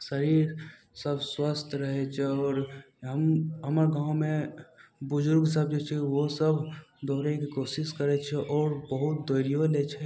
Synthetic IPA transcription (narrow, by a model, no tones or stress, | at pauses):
səɾiːɾ | səbswəst̪ʰɾəɦɛt͡ʃʰɛɔːɾ | ɦəmɦəməɾɡãːʊmẽbʊd͡ʒʊɾɡs̬əb̚d͡ʒet͡ʃʰɛʋosəbʱd̪ɔːɾẽkikoːsɪskəɾɛt͡ʃʰɛʔɔːɾbəɦʊt̪̚d̪ojɾijolet͡ʃʰɛ